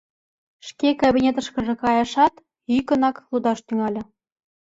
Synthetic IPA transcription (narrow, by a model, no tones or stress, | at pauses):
ʃkekabʲinʲet̪ə̆ʃkɤ̆ʒɤ̆kɑjɤ̆ʃɑt̪ | ykə̆nɑklud̪ɑʃt̪yŋɑlʲɤ̆